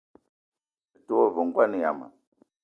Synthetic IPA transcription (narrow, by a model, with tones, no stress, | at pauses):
ɛ˨tu˦o˦vɔ˨ŋɡwa˦ni˨ja̰˨ma̰˨